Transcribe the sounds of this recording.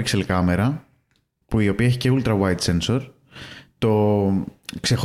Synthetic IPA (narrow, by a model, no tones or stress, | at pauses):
ikselkɐmeɾɐ | puio̞piɐeçice̞ult̪ɾɐwɐjt̪se̞nso̞ɾ | t̪o̞ | kse̞xo